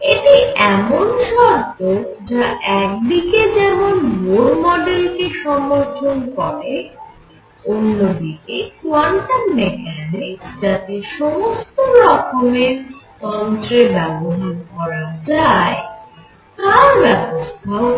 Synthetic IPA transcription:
eʈiɛmonʃɔɾt̪o | d͡ʑaʔɛk̚d̪iked͡ʑɛmonboɾmɔɖelkeʃɔmːoɾtʰonkɔɾe | onːod̪ikekuanʈanmekʰɛned͡ʑat̪eʃɔmost̪oɾɔkʰomeɾ | ɔnt̪ɾebɛboɦaɾkɔɾad͡ʑae | t̪aɾbɛbost̪ʰao

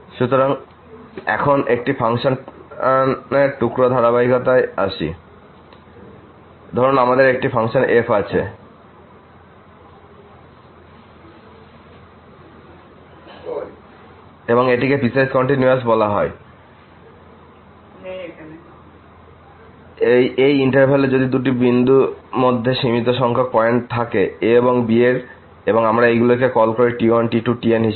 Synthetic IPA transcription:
ʃut̪oɾaŋ | ɛ̰kʰonek̚ʈifʰaŋʃonneɾʈukɾod̪ʱaɾabaɦikot̪aea̰ʃḭ | d̪ʱɔɾonamad̪eɾek̚ʈifʰaŋʃonʔepat͡ɕʰe | eboŋeʈikepisad͡ʑkɔɳʈinjuas̬bɔlaɦɔe | ejejiɳʈaɾbʱaled͡ʑod̪id̪uʈ̬ibind̪umod̪ʱːeʃimit̪̬oʃɔŋkʰapɔeɳʈ̚t̪ʰakeeboŋbieɾ | eboŋamɾaejɡulok̬ekɔlkoɾiʈiɔnʈiʈuʈienɦi

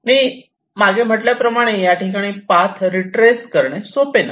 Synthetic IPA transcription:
miː | maɡem̤əʈljapɾəmaɽ̃ejaʈikaɽ̃iːpat̪ʰɾiʈɾeskəɾɳ̃esopena̰

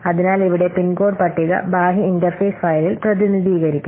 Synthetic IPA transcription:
ɐðinaːliʋiɽe̞pinɡo̞ːɖpɐʈːiɣɐ̰baːɦiːndɐrfeːsfɐjlilprɐðiniðiːɣɐɾikʲːu

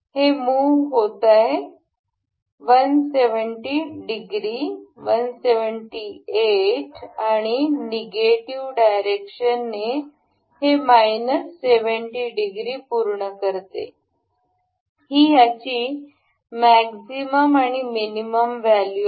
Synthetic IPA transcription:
hemuʋɦot̪ae | ʋənseʋəɳʈiɖiɡɾiʋənseʋəɳʈieʈaɽ̃ineɡeʈiʋɖajɾekɕənːe | hemajnəsːeʋəɳʈiɖiɡɾiːpuɾɳəkəɾt̪ḛ | hiːjat͡ɕiː | mæksiməmaɽ̃iminiməmʋælju

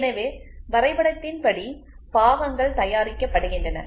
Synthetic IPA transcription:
nɐʋeːʋɐɾɐɪpɐɽɐt̪ːɪnpɐɽi | paːʋɐŋɡɐɭt̪ɐjaːɾɪkːɐpːɐɽɯɣɪndrɐnɐ̰

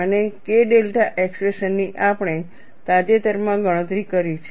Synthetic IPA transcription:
ənekeɖelʈaʔekspɾeʃənːiʔapɽ̃e | t̪ad͡ʒet̪əɾmãɡəɽ̃ət̪ɾikəɾit͡ʃʰ

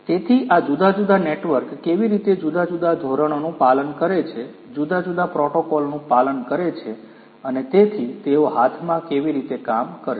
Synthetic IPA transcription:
t̪et̪ʰiʔad͡ʒud̪ad͡ʒud̪aneʈʋəɾkːeʋiɾit̪ed͡ʒud̪ad͡ʒud̪ad̪ʱoɾəɳ̃onũpalənkəɾet͡ʃʰe | d͡ʒud̪ad͡ʒud̪apɾɔʈokɔlnũpalənkəɾet͡ʃʰe | ənet̪et̪ʰit̪eoɦat̪ʰmãkeʋiɾit̪ekamkəɾ

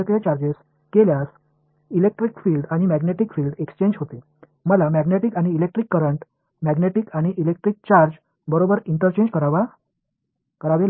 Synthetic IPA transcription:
k̪et͡ɕaɾd͡ʑes | keljas | ilek̚ʈɾikfilɖaɽ̃imæɡneʈikfiːlɖekst͡ɕeɲd͡ʑɦot̪e | məlamæɡneʈikaɽ̃iːlek̚ʈɾikːəɾəɳʈ | mæɡneʈikaɽ̃iʔilek̚ʈɾik̚t͡ɕaɾd͡ʑ | bəɾobəɾiɳʈəɾt͡ɕẽɲd͡ʑkəɾaʋa | kəɾaʋel

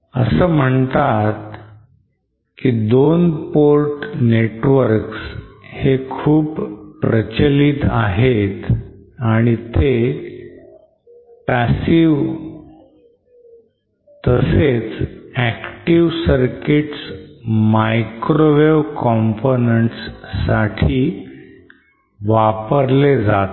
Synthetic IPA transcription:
əsəːm̤əɳt̪at̪ | kid̪onpoɾʈneʈʋəɾkshekʰuːppɾət͡ɕəlit̪aɦet̪aɽ̃it̪e | pæsiʋ | t̪əset͡sækʈiʋsəɾkiʈsmajkɾoʋeʋkɔmponəɳʈssaʈʰiː | ʋapəɾled͡zat̪

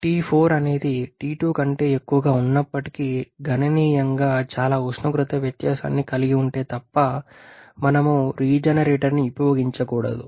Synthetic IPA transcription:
ʈiːpʰoːɾɐne̞ːd̪iʈiːʈuːkɐɳʈe̞ːekːuʋɐɡaːunːɐpːɐʈi̥kiɡʱɐnɐniːjɐŋɡaːt͡ʃaːlaːusnɐkɾut̪ɐʋjɐt̪jaːsa̰ːnːikɐliɡiuɳʈe̞ːt̪ɐpːɐ | mɐnɐmuɾiːd͡ʒɐnɐɾeːʈɐɾniupɐjoːɡiɲt͡ʃɐkuːɽɐ̰d̪u

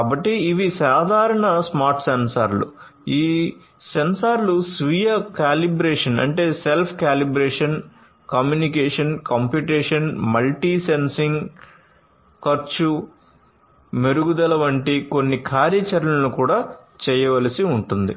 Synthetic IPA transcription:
kaːbɐʈːiːʋisaːd̪ʱaːɾɐɳɐsmaːɾʈsensaːɾlṵ | iː | sensaːɾlusʋijɐkaːlibɾeːʂɐnɐ̰ɳʈe̞ːselpʰkaːlibɾeːʂɐn | kɐmjuːnikɛːʂɐnkɐmpjuʈɛːʂɐnmɐlʈiːsensiŋɡ | kɐɾt͡ʃu | meɾuɡud̪ɐlɐʋɐɳʈiko̞nːikʰaːɾɐt͡ʃɐɾlɐnukuːɽaːt͡ʃɛːjɐʋɐlɐsiuɳʈund̪ḭ

